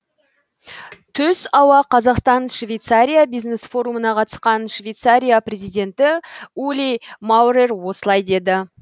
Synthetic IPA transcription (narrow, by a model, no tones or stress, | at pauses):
t̪ʰʏzɑwɑqʰɑzɑqst̪ɑnʃvejt̪saɾʲijabijzne̞sfo̞ɾumənɑqʰɑt̪ə̥sqɑnʃvejt̪saɾʲijaprʲe̞zijd̪e̞nt̪ɪulʲimawɾerwo̞səlˠɑjd̪e̞d̪ɪ